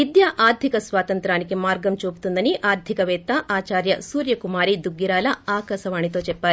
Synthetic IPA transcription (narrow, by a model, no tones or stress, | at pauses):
id̪jaʔaːɾd̪ʱikɐsʋaːt̪ɐnt̪ɾaːnikemaːɾɡɐmt͡ʃoːpu̥t̪und̪ɐniʔaːɾd̪ʱikɐʋɛːt̪ɐʔaːt͡ʃaːɾjɐsuːɾjɐkumaːɾid̪uɡːiɾaːlɐaːkɐsɐʋaːɳit̪oːt͡ʃɛpːaːɾi